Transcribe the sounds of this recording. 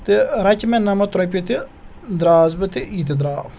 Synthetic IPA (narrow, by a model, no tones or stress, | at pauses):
t̪iɾɐt͡ʃmenɐmɐt̪ɾɐp̬ʲit̪i | d̪ɾaːzbɐt̪iiːt̪̬id̪ɾaː